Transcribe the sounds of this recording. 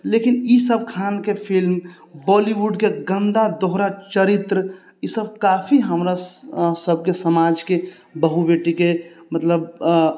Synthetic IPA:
leːkɪnisəb̚kʰaːnkepʰɪlm | bɔːliwuɖkeɡə̃nd̪ad̪ɔɦɾat͡ʃəɾɪt̪ɾə | isəb̚kaːfʰiɦəmɾasəb̚kesəmaːd͡ʒke | bəɦubeːʈike | mət̪ləb

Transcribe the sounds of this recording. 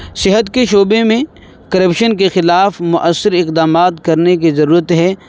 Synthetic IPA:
sɪɦət̪keʃoːbemẽ | kɐɾəpʃənkexɪlaːfmʊʔəsːɪɾɪqd̪aːmaːt̪kɐɾnekizɐɾuːɾət̪ɦɛː

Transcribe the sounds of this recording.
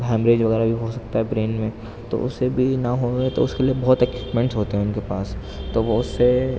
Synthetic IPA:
ɛ̃ːmbɾeːd͡ʒʋɐɣɛːɾabʱiɦosɐk̚t̪aɦɛbɾeːnmẽ | t̪o̰ʊsebʱinɐɦoet̪o̰ʊskeliebɔːt̪ɛkwiːpmɛ̃ɳʈsɦoːt̪eɦɛ̃ʊnkepaːs | t̪oʋoʊsːe

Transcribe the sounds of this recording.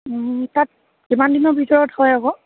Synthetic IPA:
tat̚ | imandinɔbʱitɔɹɔthɔjaɡɔ

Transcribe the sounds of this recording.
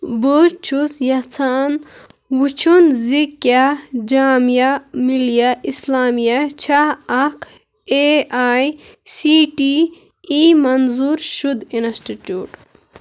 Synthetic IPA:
buɾt͡ʃʰusjɐt͡sʰaːn | wut͡ʃʰunzikjad͡ʒaːmjamiljaʔislaːmijɐt͡ʃʰaɐkʰ | eaːjsiːʈi | imɐnzuːɾʃud̪insʈiʈjuːʈ

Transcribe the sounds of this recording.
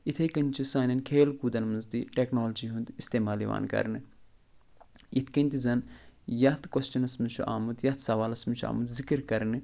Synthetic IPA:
it̪ʰɐjkɐnʲt͡ʃʰusaːnʲɐnkʰeːlkuːd̪ɐnmɐnzd̪iʈeːknoːld͡ʒiːɦund̪ist̪eːmaːlḭʋa̰ːnkɐ̰ɾnɨ | it̪ʰkɐnʲt̪izɐnjɐt̪ʰkwɐst͡ʃɐnɐsmɨt͡ʃʰuʔa̰ːmud̪jɐt̪ʰsɐʋaːlɐsmɨt͡ʃʰua̰ːmɐd̪zikɨɾkɐɾnɨ

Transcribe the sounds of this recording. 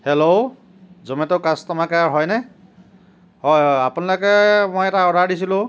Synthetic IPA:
helow | zɔmɛtoʊkastɔmakaaɹɦɔjnɛ | hɔapunalɔkɛmojɛtaɔɹaɹdisilʊ̃

